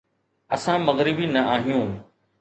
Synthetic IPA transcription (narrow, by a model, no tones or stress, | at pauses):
ɐsãmɐɣɾɪbinɐaːɦijũː